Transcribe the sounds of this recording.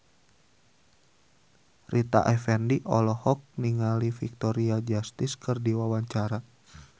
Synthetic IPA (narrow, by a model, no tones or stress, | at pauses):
rʔit̪a̰ʔɛfɛndiʔɔlɔhɔk̚niŋalifik̚t̪ɔɾiad͡ʒast̪ɪskɨrdiwawaɲt͡ʃaɾa